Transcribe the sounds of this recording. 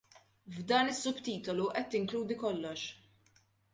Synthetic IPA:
vd̪ɐːnɪsːʊbt̪iːt̪ɔluʔɛt̪ːɪŋkluːd̪ikɔlːɔʃ

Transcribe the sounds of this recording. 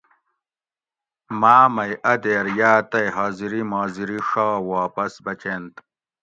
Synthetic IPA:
maːmɐjʔɐd̪eːɾjaːt̪ɐjɦaːziɾimaːziɾiʂaːwaːpɐsbɐt͡ɕeːnt̪

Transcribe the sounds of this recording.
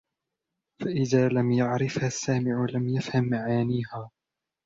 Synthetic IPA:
faʔɪðaːlamjaʕɾɪfhasːaːmɪʕʊlamjafhamːaʕaːniːhaː

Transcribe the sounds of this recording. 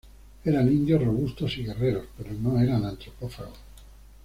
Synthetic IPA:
eɾanĩnd̪josroβust̪osiɣe̞reɾospeɾonoeɾanant̪ɾopofa̰ɣos

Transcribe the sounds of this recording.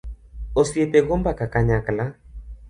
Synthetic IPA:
osiepeɣombakakaɲakla

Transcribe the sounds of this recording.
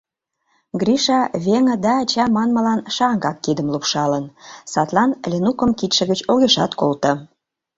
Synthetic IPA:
ɡriʃɑβeŋə̆d̪ɑːt͡ɕɑmɑnmə̆lɑnʃɑŋɡɑkːid̪əmlupʃɑlənsɑt̪lɑnlʲenukəmkit̪ʃə̆ɣət͡ɕoɣeʃɑ̰t̪kolt̪ə̆

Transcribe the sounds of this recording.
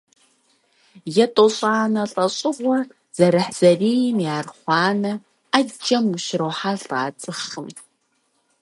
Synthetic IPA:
jɛtʼoɕʼaːnɐɬʼɐɕʼɪʁʷɔ | z̥ɐɾɐħz̥ɐriːnjaːrχʷɑːnɐ | ad͡ʒɐmʊʃɪɾɐwħaɬa̰ːt͡sʼɨχɨm

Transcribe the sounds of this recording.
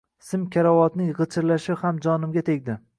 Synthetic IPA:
sɪmkʲʰaɾawɒt̪nɪʁɨt͡ʃʰɪɾlaʃɪhamd͡ʒɒnɪmɡʲat̪ʰe̞ɡʲd̪ɪ

